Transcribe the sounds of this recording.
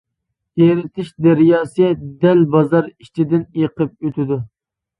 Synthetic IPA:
jeɾɪt̪ʰɪʃd̪æɾjɑːsɨd̪ɛlbɑzɑɾit͡ʃʰid̪ɪnjeqʰəp̚øt̪ʰɪd̪u

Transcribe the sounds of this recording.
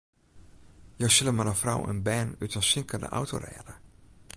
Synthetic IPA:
jowsɪləmanəfra̰wʔə̰nbɛːnytənsɪŋkəndə̰ʔa̰wto̰rɛ̰ːdə

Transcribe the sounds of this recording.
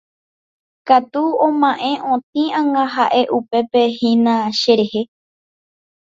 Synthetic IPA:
kat̪uõmãʔẽ̞ʔõt̪ĩãŋãɦaʔe̞ʔupe̞pe̞hĩnãʃe̞ɾe̞he̞

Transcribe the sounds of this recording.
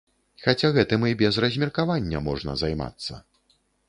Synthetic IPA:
xat͡sʲaɣɛt̪ɨmɨbʲɛzrɐzʲmʲirkavanʲːɐmɔʐnɐ̰zajma̰t̪sːɐ̰

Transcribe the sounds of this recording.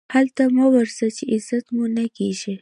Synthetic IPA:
halt̪amawəɾsət͡ʃeʔɪzat̪munakeʒi

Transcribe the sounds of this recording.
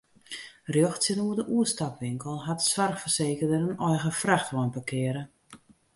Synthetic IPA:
rjɔxtsənuədəʔuəstapʋɪŋkəlˠɦatsʋarxfərseːkərdəɾənɔjɣəfraxtʋɔjnpakʰɪəɾə

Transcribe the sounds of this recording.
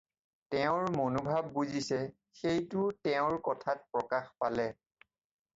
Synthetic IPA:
tɛʊ̃ɹmonobʱabːuzisɛ | xejtʊtɛʊ̃ɹkɔtʰat̚pɹɔkaxpalɛ

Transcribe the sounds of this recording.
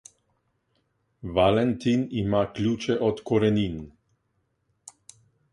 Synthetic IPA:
ʋalɛnt̪inimaːklʲuːt͡ʃɛʔɔt̪kɔɾɛnin

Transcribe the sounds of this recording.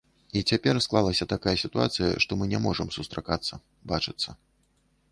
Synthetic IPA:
it͡sʲapʲɛrsklˠalˠɐsʲɐt̪akajɐsʲit̪ua̰t̪sɨjɐ̰ʂt̪ɔmɨnʲɛmɔʐɐmsust̪ɾakat̪sːɐ | bat͡ʂɨt̪sːɐ

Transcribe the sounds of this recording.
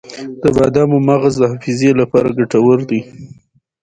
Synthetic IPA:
d̪əbɑd̪ɑmomaɣazd̪əhafizjelapɑɾaɡaʈawəɾd̪i

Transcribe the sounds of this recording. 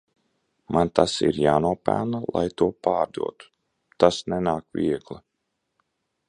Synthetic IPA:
mant̪asḭɾjaːnuɔpæ̰lnalˠa̰jt̪uɔpaːɾd̪ṵɔt̪u̥ | t̪asnɛnaːkvʲḭɛɡlˠa

